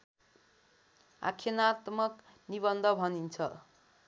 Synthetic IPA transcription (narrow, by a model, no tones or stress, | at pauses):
a̰kʰjʌnat̪mʌkniβʌnd̪ʱʌbʱʌnint͡sʰʌ